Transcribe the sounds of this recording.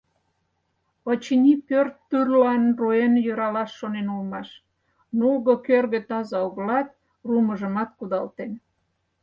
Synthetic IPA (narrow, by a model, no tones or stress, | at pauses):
ət͡ɕinʲipørt̪ːyrlɑnruenjøɾɑlɑʃːonenolmɑʃ | nulɣokørɣət̪ɑzɑuɣəlɑt̪̚ | ruməʒə̆mɑt̪̚kud̪ɑlt̪en